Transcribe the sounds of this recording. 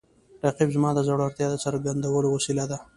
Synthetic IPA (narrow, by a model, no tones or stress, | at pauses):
ʈaqibzmɑd̪əzaɽaɾt̪jɑd̪əsəɾɡand̪awəlowasilad̪a